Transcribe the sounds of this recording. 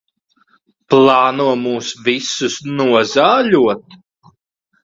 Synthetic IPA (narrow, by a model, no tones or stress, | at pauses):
plˠɑːnuɔmuːsvisusnuɔzaːʎuɔt̪̚